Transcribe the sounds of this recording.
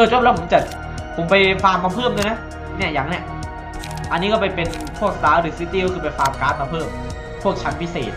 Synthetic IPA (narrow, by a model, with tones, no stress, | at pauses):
ɤː˧˨t̪̚ʰu˥˩˨lːpʰo˨˦mt͡ɕa˨˩t̪̚ | pʰo˩˦mpa˧jfaː˧ŋmːa˧pʰɤː˥˩mdoː˧jna˦˥ | ni˥˩ɐja˨˩˦ŋni˥˩ | ʔa˧nːi˦˥kɔː˥˩pa˧jpe˧n | pʰu˥˩ək̚t̪aː˨˦˥ɾɯː˨˩˦siː˧˦˥t̪iː˧wkʰɯː˧pa˧jfaː˧˩mkaː˦˥n̚ma˧pʰɤː˥˩m | pʰu˥˩ək̚t͡ɕʰa˦˥npʰi˦˥sḛː˨˩t̪̚